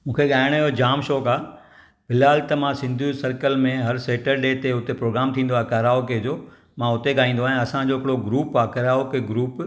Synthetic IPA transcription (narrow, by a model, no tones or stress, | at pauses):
mũːkʰeɠaːɪɽ̃iɦod͡ʑaːmʃoːkaː | bɪlaːlt̪ɐmãsɪ̃nd̪ʱjũsɐɾkəlmẽɦɐɾseːʈəɾɗeːt̪eʊt̪epɾoːɡɾaːmt̪ʰĩːn̆d̪oaːkaɾaːoked͡ʑoː | mãʊt̪eɠaːɦĩːn̆d̪oaːɦẽɐsãd͡ʑoːɦɪkɪɽoɡɾuːpaːkəɾaːokeɡɾuːp